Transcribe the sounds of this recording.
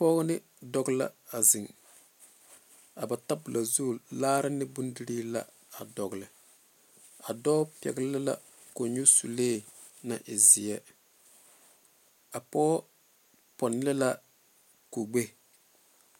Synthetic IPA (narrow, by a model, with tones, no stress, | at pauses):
pɔː˦ɡnɪ˦ | dɔ˨ɡla̰˦a˨zɪ˨ŋ | a˨ba˨ta˦bu˨lʔa˨zu˦˨laː˦ɾɪ˦nːɪ˦bu˦n˦di˦ɾi˦la̰˦ | a˨dɔ˨ɡlɪ˨ | a˨dɔ˦pɛ̰˨ɡlɪ˦la̰˦ | ko˨ɲu˦sṵ˨leː˦˨ | na˨ʔɪ˨zɪ˨ɛ˦ | a˨pɔː˦ | pɔ˨n˦lɛ˦la˦ | ko˨ɡ͡be˦